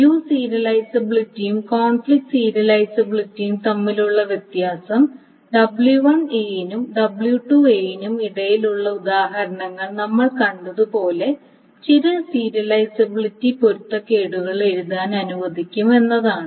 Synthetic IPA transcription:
juːsiːɾɐlɐjsɐbiɭitːijumkoːnflik̚ʈsiːɾɐlɐjsɐbiɭitːijumt̪ɐmːiluɭːɐʋjɐt̪jaːsɐm | ɖɐbɭjuʋɐɳenumɖɐbɭjuʈuejnumiɽɐjiluɭːɐud̪aːɦɐɾɐɳɐŋːɐɭnɐmːɐɭkɐɳɖɐðupo̞ːle̞ | t͡ɕiɾɐsiːɾɐlɐjsɐbiɭitːipoɾut̪ːɐkːe̞ːɽuɣɐɭeɾuðaːnɐnuʋɐd̪ʱikʲːume̞nːɐðaːɳɨ

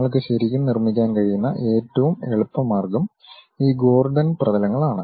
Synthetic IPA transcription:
ɐɭk̬ɨɕɐɾikʲːumnirmːikʲːaːnkɐɻijunːɐʔe̞ːtːɐʋumeɭupːɐmːaːrɡɐm | iːɡo̞ːrɖɐnprɐðɐlɐŋːɐɭaːɳɨ

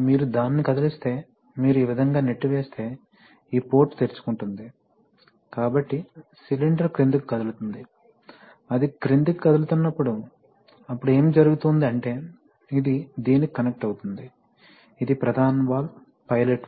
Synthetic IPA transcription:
miːɾud̪aːnːikɐd̪ɐlist̪e̞ː | miːɾuiʋid̪ʱɐŋɡaːneʈːiʋeːst̪e̞ː | iːpo̞ːɾʈt̪eːɾt͡ʃu̥kuɳʈund̪i | kaːbɐʈːisiliɳɖɐɾkɾind̪ikkɐd̪ɐlut̪und̪i | ɐd̪ikɾind̪ikkːɐd̪ɐlut̪unːɐpːuɽu | ɐpːuɽue̞ːmd͡ʒɐɾuɡut̪und̪iɐɳʈe̞ː | id̪id̪iːnikikɐnek̚ʈɐwut̪und̪i | id̪ipɾɐd̪ʱaːnɐʋaːl | pɐjleʈ

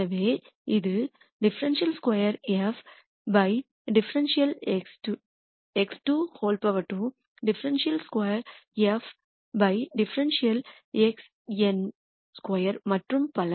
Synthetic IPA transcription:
ɐʋeː | iðɨ | ɖɪfɐɾɐnʂijɐlskwɐjɐɾɐf | bɐj | ɖɪfɐɾɐnʂijɐleksʈ | eksʈuhoːlpɐʋɐʈːu | ɖɪfɐɾɐnʂijɐlskwɐjɐɾɐf | bɐjɖɪfɐɾɐnʂijɐl | eks | en | skwɐjɐɾmɐʈrɯmpɐlɐ

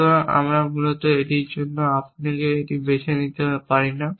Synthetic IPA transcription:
oa̰mɾamulot̪oeʈiɾd͡ʑonːoapnekeeʈibeʃenit̪epaɾina

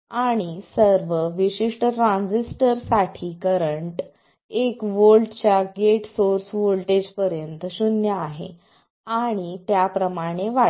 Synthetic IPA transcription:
aɽ̃isəɾʋəʋiɕiʂʈəʈɾãnd͡zisʈəɾsaʈʰiːkəɾəɳʈ | ekʋolʈt͡ɕjaɡeʈsoɾsʋolʈed͡ʑpəɾjənt̪əɕunjəaɦḛ | aɽ̃it̪japɾəmaɽ̃eʋa

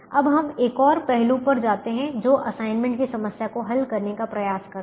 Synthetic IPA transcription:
ɐbɦɐmeːkɔːɾpɛɦlũpɐɾd͡ʒaːt̪eɦɛ̃d͡ʒoːʔɐsaːɪnmɛ̃ɳʈkisɐməsjakoɦɐlkɐɾnekapɾɐjaːskɐɾ

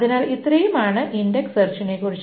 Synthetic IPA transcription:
ðinaːlit̪rɐjumaːɳɨʔindeksɐrt͡ɕːinekurit͡ɕː

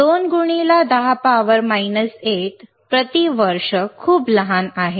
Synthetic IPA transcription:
d̪onɡuɽ̃ilad̪aɦapaʋəɾmajnəseʈ̪ | pɾət̪iʋəɾʂəkʰuːbləɦanaɦe

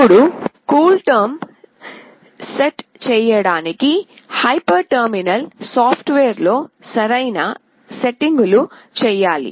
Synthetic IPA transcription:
uɽukuːlʈɐɾm | seʈt͡ʃɛːjɐɽaːniki | hɐjpɐɾʈɐɾminɐlsaːpʰʈʋeːɾlo̞ː | sɐɾɐjnɐ | seʈiŋɡulu | t͡ʃɛːjaːlḭ

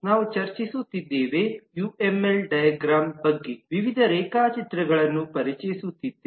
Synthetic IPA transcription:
naːʋut͡ʃɐɾt͡ʃisut̪ːid̪ːeːʋejuːemelɖɐjɐɡɾaːmbɐɡːeʋiʋid̪ʱɐɾɛːkaːt͡ʃit̪ɾɐɡɐɭɐnːupɐɾit͡ʃɐjisut̪ːid̪ːe

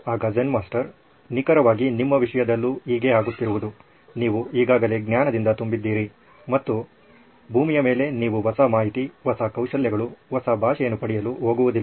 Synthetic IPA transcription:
aːɡɐd͡ʒɐnmaːsʈɐɾ | nikɐɾɐʋaːɡinimːɐʋiʂɐjɐd̪ɐlːuiːɡe̞aːɡut̪ːiɾuʋud̪u | niːʋuiːɡaːɡɐle̞ɡnjaːnɐd̪ind̪ɐt̪umbid̪ːiːɾi | mɐt̪ːu | bʱuːmijɐme̞ːle̞niːʋuʋɐsamaːɦit̪iʋɐsakɐwʃɐljɐɡɐɭuʋɐsabʱaːʃɐjenːupɐɽijɐluɦoːɡuʋud̪ilː

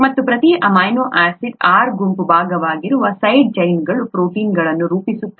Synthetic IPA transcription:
mɐt̪ːupɾɐt̪iʔɐmaːjnoːʔaːsid̪aːɾɡumpubʱaːɡɐʋaːɡiɾuʋɐsɐjɖ̚d͡ʒɐjŋɡɐɭupɾoːʈiːnɡɐɭɐnːuɾuːpisut̪ːɐ

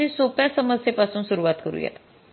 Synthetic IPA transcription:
iːsopjasəməsjepasuːnsuɾuʋat̪kəɾṵːjḛt̪

